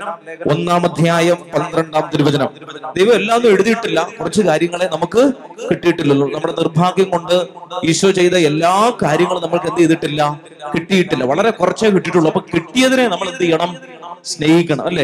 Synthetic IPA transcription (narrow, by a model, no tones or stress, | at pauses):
o̞nːaːmɐd̪ʱjaːjɐmpɐnd̪ɾeɳɖaːmt̪iɾuʋɐd͡ʑɐnɐmd̪ejʋɐmelːaːnːume̞ɻuðijiʈːilːɐkurɐt͡ɕːɨkaːɾjɐŋːɐɭenɐmukːɨ | kiʈːijiʈːilːulːunɐmːuɽe̞nirbʱaːɡjɐŋko̞ɳɖɨiːɕʋɐt͡ɕe̞jt̪ɐelːaːkaːɾjɐŋːɐɭnɐmːɐɭke̞nd̪eðiʈːilːɐ | kiʈːijiʈːilːɐʋɐɭɐɾe̞kurɐt͡ɕːekiʈːiʈːuɭːɐpːoːkiʈːijɐðine̞nɐmːɐɭend̪ɨeɳɐm | sne̞ːhikʲːɐɳɐ̰mɐlːe̞